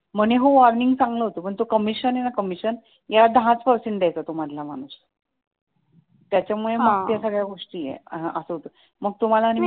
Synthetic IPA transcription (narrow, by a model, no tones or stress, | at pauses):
m̤əneɦoʋɔɾniŋɡsãŋɡləɦot̪opəɳt̪okəmiɕənenakəmiɕən | jad̪ʱaãt͡spəɾsiːnd̪ɛjt̪ət̪om̤ad̪ʱlama̰ɽ̃us | t̪jat͡ɕjamuɭeməɡt̪jasəɡɭjaɡoʂʈiːjḛɦʔəsəɦot̪o | məɡ̚t̪um̤alaːni